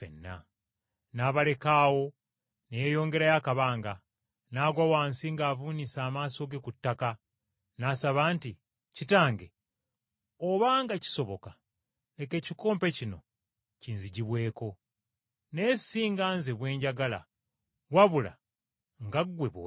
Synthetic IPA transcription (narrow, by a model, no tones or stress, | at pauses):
fḛnːa̰ | naːβale̞kaːwo̞ | nejejo̞ːŋɡe̞ɾajakaβaːŋɡa | naːɡwawaːnsiŋɡaːvuːnisaːmaːso̞ɡe̞kutːaka | naːsaβaːnti | citaːŋɡe̞ | oβaːŋɡaci̥so̞βo̞ka | eke̞ːciko̞ːmpe̞cino̞̰ | ciːnziɟiβwe̞ːko̞ | neːsiːŋɡaːnze̞βwe̞ːɲɟaɡala̰ | waβula̰ | ŋɡaɡweβw